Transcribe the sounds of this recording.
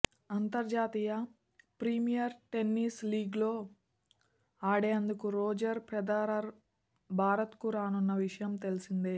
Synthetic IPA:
ɐnt̪ɐɾd͡ʒaːt̪iːjɐ | pɾimijɐɾʈe̞nːiːsliːɡlo̞ː | aːɽeːɐnd̪ukuɾoːd͡ʒɐɾpɾɐd̪aːɾɐɾ | bʱaːɾɐt̪kuɾaːnunːɐʋiʂɐjɐmt̪e̞lisind̪eː

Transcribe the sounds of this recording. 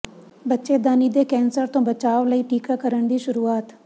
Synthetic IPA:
bətːʃed̪aːnid̪ekɛ̃ːnsəɾt̪õːbət͡ʃaːʋləiːʈiːkakəɾəɳd̪iːʃʊɾuːaːt̪

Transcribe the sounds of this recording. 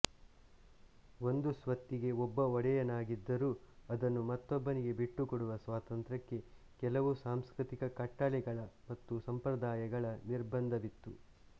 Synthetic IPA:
o̞nd̪usʋɐt̪ːiɡe̞ɔbːɐɔɽɛjɐnaːɡid̪ːɐɾuːɐd̪ɐnːumɐt̪ːɔbːɐniɡe̞biʈːukoɽuʋɐsʋaːt̪ɐnt̪ɾɐkːe̞ | kɛlɐʋusaːmskɾit̪ikɐkɐʈːɐlɛɡɐɭɐmɐt̪ːusɐmpɾɐd̪aːjɐɡɐɭɐniɾbɐnd̪ʱɐʋit̪ːu

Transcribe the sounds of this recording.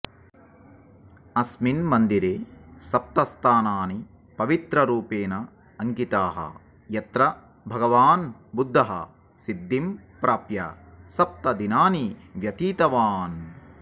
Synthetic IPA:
ɐsminmɐnd̪iɾeːsɐp̚t̪ɐst̪ʰaːnaːni | pɐʋit̪ɾɐɾuːpeːnɐː | ŋkit̪aːɦɐ̰ | jɐt̪ɾɐ | bʱɐɡɐʋaːnbud̪ʱːɐɦɐ̰ | sid̪ːimpɾaːpjɐ̰ | sɐp̚t̪ɐd̪inaːniʋjɐt̪iːt̪ɐʋaːn

